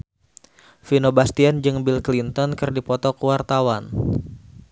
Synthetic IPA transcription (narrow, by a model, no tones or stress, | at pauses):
finobast̪iand͡ʒɨŋbilklint̪ɔnkɨrdipɔt̪ɔkuwart̪awan